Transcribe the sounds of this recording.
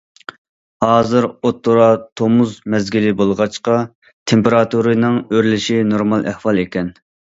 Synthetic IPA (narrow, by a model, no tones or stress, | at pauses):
hɑːzɨɾot̪ʰːuɾɑt̪ʰomuzmɛzɡʲilɪbolˠəʁɑt͡ʃqɑ | t̪ʰempeɾɑt̪uɾɨnɨŋøɾlɪʃinoɾmɑlˠʔæhwɑlˠekʲɛn